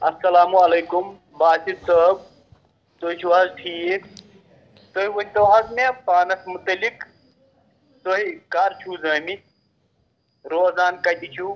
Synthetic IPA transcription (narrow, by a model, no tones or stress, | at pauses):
ɐsːɐlaːmuɐlejkum | baːsit̪səb̚ | t̪oit͡ʃʰuɐzʈʰiːek | t̪oɦiwɐnʲt̪oɦɐsmepaːnɐsmut̪ɐlik | t̪oɦikaɾt͡ʃʰuzəːmi | ɾoːzaːnkɐt̪it͡ʃʰu